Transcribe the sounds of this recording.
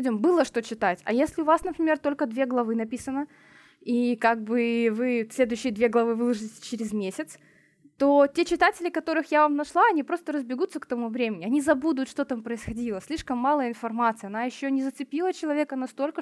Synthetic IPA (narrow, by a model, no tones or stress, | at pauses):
dʲɪmbɨlˠəʂt̪ot͡ɕɪt̪atʲɐ̰jesʲlʲɪʊvasnəpɾʲɪmʲe̞rt̪o̞lʲkəd̪vʲeɡlˠɐvɨnɐpʲisənə | ikaɡ̚bɨvɨsʲlʲe̞d̪ʊjɕːɪjəd̪vʲe̞ɡlˠɐvɨvɨlˠəʐɨɪtʲɪ̥t͡ɕɪɾʲɪzmʲesʲɪt̪s | t̪otʲet͡ɕɪt̪atʲɪlʲɪkɐt̪o̞ɾɨxjavamnɐʂlˠaɐnʲipɾo̞st̪əɾəzbʲɪɡut̪səkt̪ɐmuvɾʲemʲɪnʲɪɐnʲizɐbud̪ʊt̪ʂt̪o̞t̪ampɾəɪsxɐdʲilˠəsʲlʲiʂkəmːalˠəɪnfɐrmat̪sɨjɐnajɪɕːonʲɪzət̪sɨpʲilˠət͡ɕɪlˠɐvʲekənɐst̪o̞lʲkə